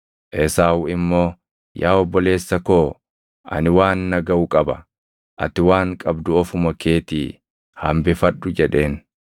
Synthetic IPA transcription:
ʔɛsaːwɪmːo̞ː | jaːɔbːɔle̞ːsːɐko̞ː | ʔɐ̰nɪwaːnːɐɡɐʊkʼɐbɐ | ʔɐ̰t̪ɪwaːŋkʼɐbd̪ʊɔfʊmɐkeːt̪i | hɐmbɪfɐɗːʊd͡ʒɛᶑe̞ːn

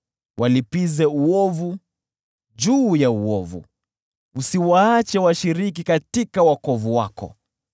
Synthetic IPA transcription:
wʔalipizɛuɔvu | d͡ʒuːjauɔvṵ | usiwaat͡ʃɛwaʃiɾikikatikawakɔvuwa̰kɔ̰

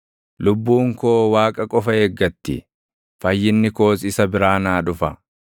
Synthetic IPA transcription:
lʊbːuːŋkoːwaːkʼɐkʼɔfɐeɡːɐt̪ːɪ̰ | fɐjːɪnːɪko̞ːsɪsɐbɪɾaːnaːᶑʊfɐ

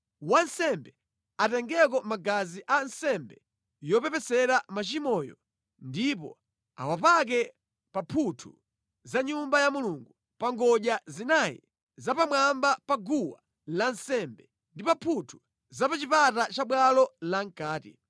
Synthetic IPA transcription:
wansɛmbɛ | atɛŋɡɛk̬ɔmaɡaziʔansɛmbɛ | jɔpɛpɛsɛɾamat͡ʃimɔjɔ̰ | ndip̬ɔ̰ | a̰wapak̬ɛ | papʰutʰṵ | zaɲumbajamuluŋɡu | paŋɡɔʄazinajḭ | zapamwambapaɡuwa | lansɛmbɛ | ndipapʰutʰu̥ | zapat͡ʃipatat͡ʃaɓwalɔlaŋkaːtḭ

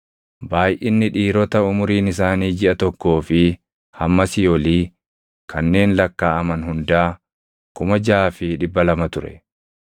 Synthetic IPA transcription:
baːjʔɪnːɪᶑiːɾɔt̪ɐʊmʊɾiːnɪs̬aːniːd͡ʒɪʔɐt̪ɔkːo̞ːfɪ | hɐmːɐsɪjɔliː | kʰɐnːe̞ːnlɐkːaːɐmɐnɦʊnd̪aː | kʊmɐd͡ʒaːfɪᶑɪbːɐlɐmɐt̪ʊɾɛ̰

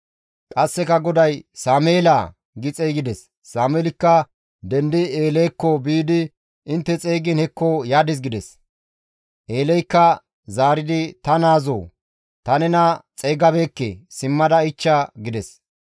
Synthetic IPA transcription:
kʼɐsːɛkɐɡɔd̪ɐjsaːmeːlaː | ɡɪt͡sʼejɡɪd̪ɛsː | aːmeːlɪkːɐ | d̪ɛnd̪ɪeːlɛjkːɔbiːd̪ɪ | ɪnt̪ːɛt͡sʼeːɡɪnhɛkːojaːd̪ɪs̬ɡɪd̪ɛs | ʔeːlɛjkːɐ | zaːɾɪd̪ɪt̪ɐnaːzo̰ː | t̪ɐnɛnɐt͡sʼeːɡɐbeːkːɛ̰sɪmːɐd̪ɐɪt͡ʃːaɡɪd̪ɛs

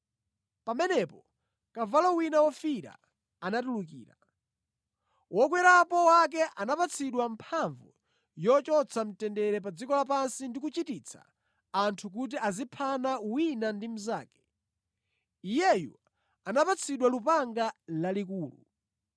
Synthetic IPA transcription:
pamɛnɛpɔ | kavalawinawɔfiɾa̰ | anatuluk̬ḭːɾa | wɔk̬wɛɾapɔwak̬ɛʔanapat͡sʰiɗwampʰaɱvu | jɔt͡ʃɔt͡sʰam̩tɛndɛɾɛp̬ad͡zikɔlap̬ansindikut͡ʃitit͡sʰa̰ː | ntʰuk̬ut̬iazipʰanawinandim̩zaːkɛ̥ | ijɛjṵ | anapat͡sʰiɗwalupaŋɡalalik̬uːlṵ

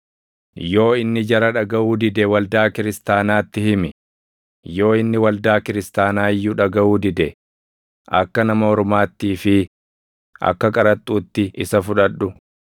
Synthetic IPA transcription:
jo̞ːɪnːɪd͡ʒɐɾɐᶑɐɡɐʔuːd̪ɪd̪ɛwɐld̪aːkɪɾɪst̪aːnaːt̪ːɪhɪmɪ | jo̞ːɪnːɪwɐld̪aːkɪɾɪst̪aːnaːɪjːʊᶑɐɡɐʔuːd̪ɪd̪ɛ | ʔɐ̰kːɐnɐmɐɔɾmaːt̪ːiːfɪ | ʔɐ̰kːɐkʼɐɾɐt̪ʼːuːt̪ːɪʔɪsɐfʊᶑɐᶑːʊ

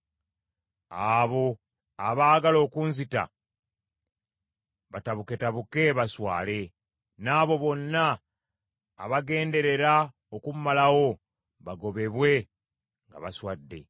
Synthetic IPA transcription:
aβo̞ | aβaːɡalo̞ːkunzita̰ | βataβuke̞taβuke̞βaswa̰ːle̞ | naːβo̞βo̞nːa | βaɡe̞ːnde̞ɾe̞ɾa | okummalawo̞ | βaɡo̞βe̞βwe̞ | ŋɡa̰βaswadːe̞̰

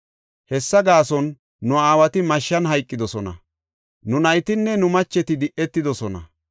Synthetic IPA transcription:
hɛsːɐɡaːsɔnː | ʊaːwɐt̪ɪmɐʃːɐnɦɐjkʼːɪd̪ɔsɔnɐ̰ | nʊnɐjt̪ɪnːɛnʊmɐt͡ʃːɛt̪ɪd̪ɪʔɛt̪ːɪd̪ɔsɔnɐ̰

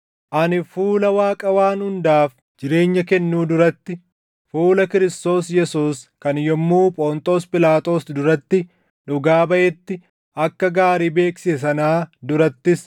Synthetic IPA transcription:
ʔɐnɪfuːlɐwaːkʼɐwaːnhʊnd̪aːf | d͡ʒɪɾe̞ːɲːɐkɛnːuːd̪ʊɾɐt̪ːɪ | fuːlɐkɪɾɪst̪o̞ːsjɛsuːskɐnjɔmːuːpʼɔːnt̪ʼo̞ːspʼɪlaːt̪ʼo̞ːsd̪ʊɾɐt̪ːɪ | ᶑʊɡaːbɐʔɛt̪ːɪ | ʔɐkːɐɡaːɾiːbe̞ːksɪs̬ɐnaːd̪ʊɾɐt̪ːɪs

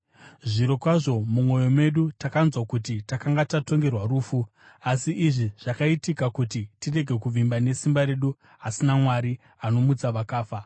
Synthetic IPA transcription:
ʐiɾo̞kwaʐo̞mumwo̞jo̞me̞ɗutakanzwakutitakaŋɡatato̞ŋɡe̞rwaɾuːfu | asiʔːʐiʐ̥akaitikakutitire̞ɡʱe̞kuvimbane̞simbaɾe̞ɗu | asinamwaɾi | ano̞mut͡saʋakaːfa

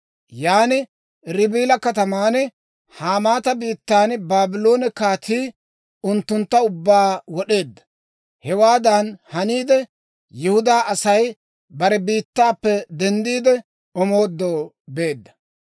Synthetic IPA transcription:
jaːnɪ | ɾɪbiːlɐkɐt̪ɐmaːnɛ | haːmaːt̪ɐbiːt̪ːaːnbaːbɪlo̞ːnɛkaːt̪iː | ʊnt̪ːʊnt̪ːɐʊbːaːwɔɗe̞ːd̪ːɐ̥ | hɛwaːd̪ɐnhɐniːd̪ɛ | jɪhʊd̪aːɐsɐj | bɐɾɛbiːt̪ːaːpːɛd̪ɛnd̪iːd̪ɛ | ɔmo̞ːd̪ːoː | be̞ːd̪ːɐ̥

